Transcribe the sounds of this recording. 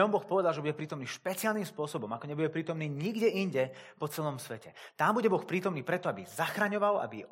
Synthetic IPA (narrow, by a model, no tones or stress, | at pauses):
ɔmbɔxpɔʋɛd̪alʒɛbuɟɛpɾiːt̪ɔmniːʃpɛt͡sɪalniːmspʊɔsɔbɔmakɔɲɛbuɟɛpɾiːt̪ɔmniːɲiɡɟɛʔiɲɟɛpɔt͡sɛlɔmsʋɛcɛt̪ambuɟɛbɔxpɾiːt̪ɔmniːpɾɛt̪ɔabizaxɾaɲɔʋala̰bi